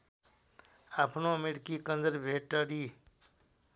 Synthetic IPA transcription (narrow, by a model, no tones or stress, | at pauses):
aːpʰnõmeɽkikənzəɾbʱeːʈːəɽiː